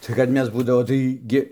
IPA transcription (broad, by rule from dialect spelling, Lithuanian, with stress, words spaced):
tɐɪ kɐt ˈmʲɛs ˈbuːdɐʋoː tɐɪ ˈɡʲɪ